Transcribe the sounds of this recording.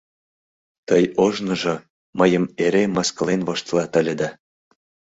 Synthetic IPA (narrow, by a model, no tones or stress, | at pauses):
t̪əjoʒnɤ̆ʒɤ̆ | məjə̆meɾemɑsk̆lenβoʃt̪lɑt̪ə̆lʲĕd̪æ